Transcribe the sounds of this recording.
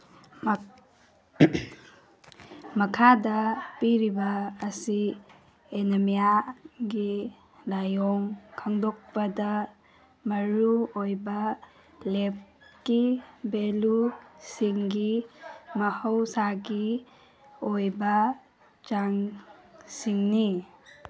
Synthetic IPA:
mɐkʰadɐpiɾibɐːsi | enɐmijaɡi | lajɔŋkʰɐŋdɔk̚pɐdɐ | mɐɾuojbɐ | lep̚kibelusiŋɡimɐhəwsaɡi | ojbɐ | t͡ʃaŋ | siŋni

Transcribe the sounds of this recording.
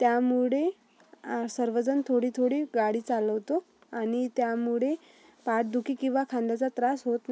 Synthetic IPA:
t̪jamuɭe | səɾʋəd͡zənt̪ʰoɽiːt̪ʰoɽiːɡaɽiːt͡saləʋt̪o | aɽ̃it̪jamuɭe | paʈ̚d̪ukʰiːkĩw̃ʋakʰand̪at͡sat̪ɾasɦot̪na

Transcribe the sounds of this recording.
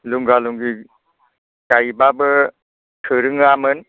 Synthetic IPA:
luŋɡaluŋɡi | kajbabɯ | tʰɯɾɯŋamɯn

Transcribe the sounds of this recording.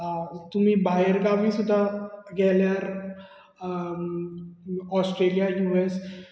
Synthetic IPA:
t̪ʊmĩbʱaːjɾkabʱisʊd̪ʱaɡɛːlaɾ | ɔːsʈɾeːlijajuːes

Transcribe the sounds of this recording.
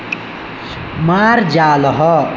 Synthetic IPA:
maːɾd͡ʒaːlɦɔ

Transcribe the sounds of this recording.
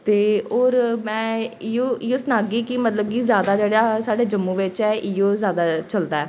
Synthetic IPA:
t̪eːoːɾmɛ̃ːɪjoːɪjoːsənaːɡiːkɪmət̪ləb̚kizjaːd̪aːd͡ʒeːɽaːsaːɖeːd͡ʒəmːuʋɪt͡ʃɛːʔɪjoːzjaːd̪aːt͡ʃəld̪aːɛː

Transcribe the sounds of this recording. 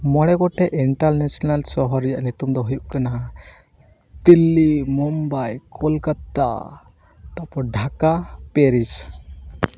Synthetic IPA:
mɔɽɛɡɔʈɛʔiɳʈaɾnɛsɔnalsɔɦɔɾijaʔnit̪umd̪ɔɦujuʔkana | t̪ilːimɔmbajkʰɔlkat̪a̰ | t̪apɔɖʱakapeɾis

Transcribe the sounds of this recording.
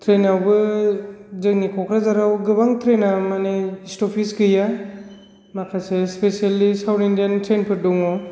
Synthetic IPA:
tʰɾenawbɯ | zɯŋnikʰɔkʰɾazaɾawɡɯbaŋtʰɾenamaneistɔpʰisɡɯja | makʰasespesialisawɾindiantʰɾenpʰɯɾdɔŋɔ

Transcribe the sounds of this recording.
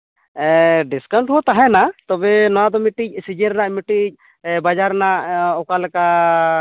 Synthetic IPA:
ɖiskaw̃ɳʈɦɔt̪aɦɛnat̪ɔbɛnɔwad̪ɔmiʈic̚sid͡ʒɛɾnaʔmiʈic̚ˀ | bad͡ʒaɾnaʔɔkalɛka

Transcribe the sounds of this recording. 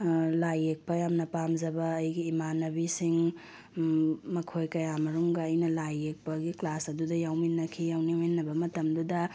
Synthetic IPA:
lajːek̚pɐjamnɐpamzɐbɐːjɡiːmanɐbisiŋ | mɐkʰojkɐjamɐɾuŋɡɐːjnɐlajek̚pɐɡiklasɐdudɐjawminːɐkʰijawniminːɐbɐmɐtɐmdudɐ

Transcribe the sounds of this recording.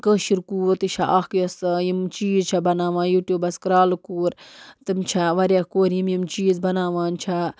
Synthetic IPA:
kəːʃiɾkuːɾt̪ɨt͡ʃʰaʔakjost̪ɐjimt͡ʃiːzt͡ʃʰabɐnaːʋãːjuːʈʲjuːbɐskɾaːlɨkuːɾt̪ɨmt͡ʃʰaʋɐɾʲakoːɾjimjimt͡ʃiːzbɐnaːʋaːnt͡ʃʰa

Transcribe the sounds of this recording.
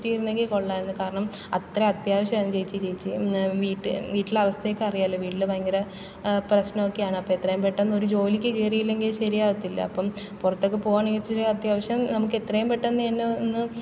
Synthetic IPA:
tːijɾunːe̞ŋɡilkoɭːaːenːɨkaːɾɐɳɐm | ɐt̪rɐɐt̪jaːʋɐɕjɐmaːnɨt͡ɕejit͡ɕːɨt͡ɕejit͡ɕːɨʋiːʈːɨʋiːʈːilɐʋɐst̪ʰɐjekːɨɐrijaːilːɐʋiːʈːilɨpɐjɐŋɡɐɾɐ | prɐɕnɐmokːejaːɳɨɐpːɐmet̪ːrɐjumpeʈːɐnːo̞ɾud͡ʑo̞ːlikʲːɨkeːrijilːe̞ŋɡilɕɐɾijaːʋɐt̪ːilːɐ̰ɐ̰pːɐm | purɐt̪ːokːepo̞ːɣaːɳeŋit̪ːɾeɐt̪jaːʋɐɕjɐmnɐmukːe̞t̪rɐjumpeʈːɐnːɨenːenːɨ

